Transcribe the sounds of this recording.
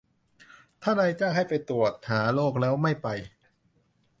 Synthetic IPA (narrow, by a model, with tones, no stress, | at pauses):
t̪ʰaː˥˩naː˧jt͡ɕaː˥˩ŋɦha˥˩jpa˧jt̪ɾu˨˩ət̪̚haː˩˦loː˥˩k̚lɛː˦˥wma˥˩jpa˧j